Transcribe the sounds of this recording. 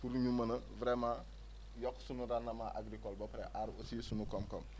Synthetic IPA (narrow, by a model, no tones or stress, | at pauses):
puɾɲumɐnɐvɾema | jɔkːsunuɾanːɐmaʔa̰ɡɾikɔlbɐpɾeʔaɾusiːsunukɔmkɔm